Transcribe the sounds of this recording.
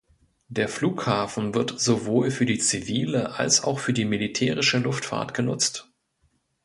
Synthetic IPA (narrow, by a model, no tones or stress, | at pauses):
deːɐfluːkhaːfn̩vɪɐtz̥ovoːlfyːɐdiːt͡siviːləʔa̰lsa̰ʊxfyːɐdiːmilitʰɛːʁɪʃəlʊftfa̰ːɐtɡ̥ənʊ̰t͡st